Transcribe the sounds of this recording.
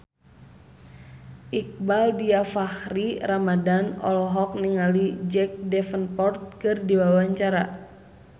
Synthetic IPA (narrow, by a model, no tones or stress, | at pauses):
ʔik̚baldiafahriramadanɔ̰lɔɦɔk̚niŋalid͡ʒɛk̚dɛfənpɔrt̪̚kɨrdiwawaɲt͡ʃaɾa